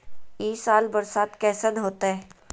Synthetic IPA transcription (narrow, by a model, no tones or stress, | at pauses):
iːsaːlbɐɾsaːt̪kɛːsənɦoːt̪aɦɛː